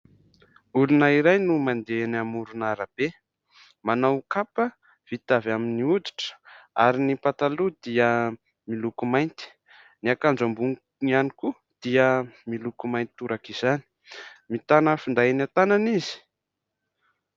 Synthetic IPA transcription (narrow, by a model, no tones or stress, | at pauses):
ulunaiɾajnumand̪enamuɾunaɾab̥e | manawkapə | v̥it̪avaminiud̪i̥ʈ͡ʂə̥aɾinipat̪alud̪iə | milukumajnt̪i̥ | niakand͡ʒambuŋ | ŋianiku | d̪̥iəmilukumajnt̪uɾakizani̥ | mit̪anəfund̪ajnat̪ananizi̥